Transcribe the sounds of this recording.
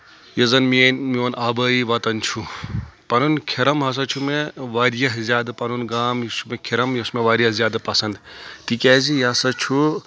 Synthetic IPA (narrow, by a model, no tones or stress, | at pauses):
jezɐnmienmionabəiʋɐt̪ɐnt͡ʃʰupɐnunkʰeɾɐmɦɐs̬ɐt͡ʃʰumeʋaɾjɐɦzjaːd̪ɨpɐnunɡaːmjisumekʰeɾɐmjusmeʋaːɾijɐɦzʲjaːd̪ɨpɐsɐnd̪t̪ikʲɛːzijɦɐsɐt͡ʃʰu